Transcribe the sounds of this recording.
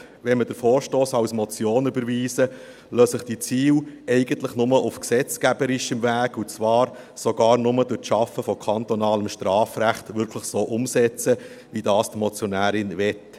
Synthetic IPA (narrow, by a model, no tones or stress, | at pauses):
ʋɛnməd̥əɾfoːɾʃtoːsɑwsmɔt͡sjoːnybəɾviːsə | løːsəχd̥it͡siːlɛɪɡənt̪ləχnʊməʔʊfksɛt͡skæbəɾɪʃəmvæːɡut͡sʋɑːɾ | soɡ̥ɑːɾnʊməd̥ʊtʃɑfːəfɔkʰɑnt̪ɔnɑːləmʃtɾɑːfɾæχtvʏɾkʰləχsoːʔʊmsɛt͡sə | ʋidɑːstmɔt͡sjɔnæːɾɪnvɛt